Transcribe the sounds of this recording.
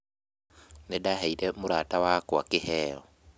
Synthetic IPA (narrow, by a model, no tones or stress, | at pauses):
nedaɦaiɾemuɾaːtawakwa̰kɪhɛːɔ